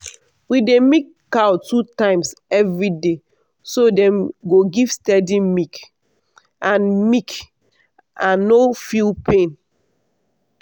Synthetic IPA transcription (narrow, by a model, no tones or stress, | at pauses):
widemikːatutãɪ̃msɛvɹide | sodɛ̃mɡoɡiv̥stɛdimik | ãnmik | ãnːofulpẽn